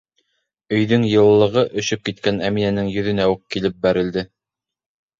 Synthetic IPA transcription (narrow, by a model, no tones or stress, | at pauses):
ɵ̆jðɵŋjɤ̆lˠːɤ̆ʁɤʔɵ̆ʃɵp̚kit̪̚kænæminænɘŋjɵ̆ðɵ̆næukkːilɘp̚bæɾɘ̆ld̪ɘ